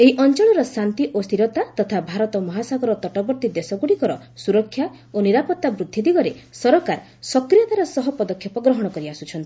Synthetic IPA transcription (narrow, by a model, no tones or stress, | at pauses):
eɦiʔɔnt͡ʃɔɭɔɾɔsant̪iʔost̪ʰiɾɔt̪at̪ɔt̪ʰabʱaɾɔt̪ɔmɔɦasaɡɔɾɔt̪ɔʈɔbɔɾt̪id̪esɔɡuɽikɔɾɔsuɾɔkʰːja | oniɾapɔt̪ːabɾud̪ʱːid̪iɡɔɾesɔɾɔkaɾ | sɔkɾijɔt̪aɾɔsɔɦɔpɔd̪ɔkʰjɔpɔɡɾɔɦɔɽ̃ɔkɔɾiasut͡ʃʰɔnt̪ii